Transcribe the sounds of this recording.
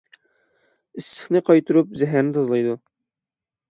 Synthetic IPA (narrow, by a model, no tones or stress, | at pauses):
ɪsːə̥χnɨqʰɑjt̪ʰuɾup̚zɛɦæɾnɪt̪ʰɑzlˠɑjd̪u